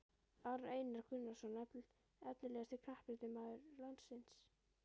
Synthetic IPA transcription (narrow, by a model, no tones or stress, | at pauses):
aɾejnaɾ̥kʰʏnːasɔnɛpl | ɛt̪nɪlɛːɣast̪ɪkʰnahpɪɾt̪ɪmaːðʏɾlant̪sɪns